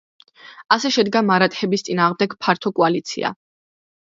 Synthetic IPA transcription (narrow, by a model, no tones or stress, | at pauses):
asɛʃɛd̪ɡamaɾat̪ʼhɛbist̪sʼinaːʁmd̪ɛɡpʰaɾt̪ʰɔkʼualit̪sʰḭa̰